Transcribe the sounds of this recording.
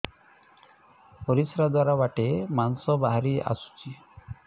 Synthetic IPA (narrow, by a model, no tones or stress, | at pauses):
pɔɾisɾad̪waɾabaʈemansɔbaɦaɾia̰su̥t͡ʃʰi